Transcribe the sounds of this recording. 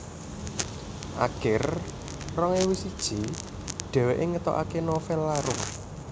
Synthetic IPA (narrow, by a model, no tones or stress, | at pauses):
ʔa̰ɡ̥ɪr | rɔŋewisid̥ʒ̥i̤ | ɖ̥ɛ̤weʔeŋət̪ɔ̰ʔa̰kenɔfɛlːaɾʊ